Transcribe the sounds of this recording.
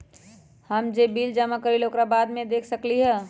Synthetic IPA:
həmd͡ʒebild͡ʒəmakəɾilokɾabad̪mẽd̪ekʰsəkliɦɛ

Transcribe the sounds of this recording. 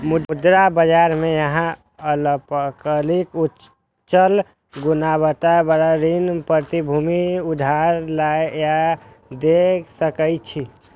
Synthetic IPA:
muud̪ɾabəd͡ʒaɾmejəɦã | ələpəkəliku | t͡ʃəl | ɡunabət̪abəɽaɾinpəɾt̪ibʱumiud̪ʱaɾlaeja | d̪eksəkət͡ʃʰi

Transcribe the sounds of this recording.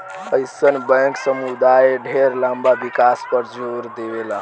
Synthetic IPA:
əjsənbə̃ŋksəmud̪ajeɖʱeɾlambabikaspəɾd͡ʒʱuɾd̪ebela

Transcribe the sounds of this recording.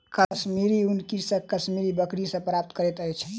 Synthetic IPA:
kəsmiɾiunkisə̃kəsmiɾibəkɾisə̃pɾap̚t̪kəɾɛt̪əjt͡ʃʰ

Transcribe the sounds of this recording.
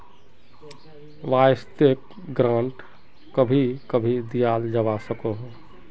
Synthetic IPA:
ʋajst̪ek̚ | ɡɾãɳʈ | kəbʱikəbʱid̪ijald͡ʒəʋasəkoɦ

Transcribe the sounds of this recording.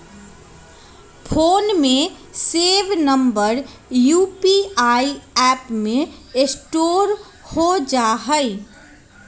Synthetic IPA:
pʰoːnmẽ | seːʋnəmbəɾ | juːpiaːiɛːpmẽɪsʈoːɾ | hod͡ʒaːɦəi

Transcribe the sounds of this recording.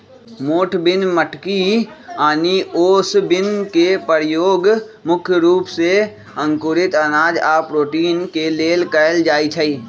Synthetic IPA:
moːʈʰbɪnməʈʰkiaːnioːsbɪnkepəɾjoːɡmʊkʰjəɾuːpse | ə̃ŋkʊɾɪt̪ənaːd͡ʒaːpɾoːʈiːnkeleːlkəld͡ʒaːit͡ʃʰəiː

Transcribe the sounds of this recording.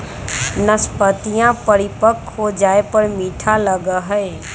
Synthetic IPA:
nəspət̪ijãpəɾɪpəkɦod͡ʒaːepəɾmiːʈʰaləɡəɦəe

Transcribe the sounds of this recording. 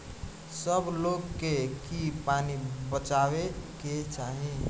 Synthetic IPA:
səbloɡkːekipanibət͡ʃaweket͡ʃaɦi

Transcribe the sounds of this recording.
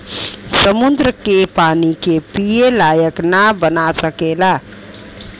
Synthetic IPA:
səmund̪ɾəkepanikepielajəknabənasəkela

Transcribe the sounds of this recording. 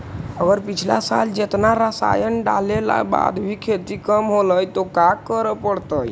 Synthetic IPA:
əɡəɾpit͡ʃʰla̰sald͡ʒet̪naɾəsa̰jənɖalela̰ba̰d̪bʱikʰet̪ikəmɦoləjt̪okakəɾəpəɽt̪əj

